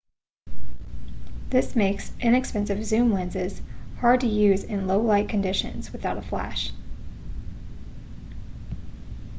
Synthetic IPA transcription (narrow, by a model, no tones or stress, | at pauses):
ðɪsmeɪksʔɪ̃nɨkspɛ̃nsɨvzʉ̃mlɛ̃nzɪz̥hɑɹd̚tɨjʉzɪ̃nloʊlaɪt̚kʰɨ̃ndɪʃɨ̰̃nz̥wɨθaʊɾəflæ̰ʃ